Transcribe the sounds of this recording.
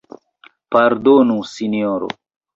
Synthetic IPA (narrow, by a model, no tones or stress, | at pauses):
pɐɾd̪onusinijoɾo̰